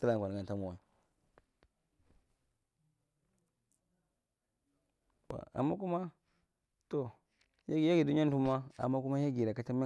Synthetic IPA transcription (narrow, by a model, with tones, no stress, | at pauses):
ta˦la˦ŋ˨kʷa˨n˨a˨n˨ta˦mo˨wa˨ | ba̰˨a̰˨mːa̰˦ku˦ma˦ | to˨ | ja˦ɡi˨ja˦ɡi˨du˦a˦n˦tu˦ma˦a̰˨mːa˦ku˦ma˦ja˦ɡi˨ɾa˨ka˦t͡ʃa˦m˦a˦